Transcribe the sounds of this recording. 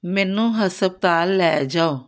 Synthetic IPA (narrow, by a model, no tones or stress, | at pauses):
mɛːnũːɦəsəb̚t̪aːlːɛːd͡ʒaːoː